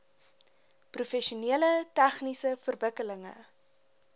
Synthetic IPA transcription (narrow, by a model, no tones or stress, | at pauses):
prufɛʃuniələtæχnisəfərvəkələŋə̰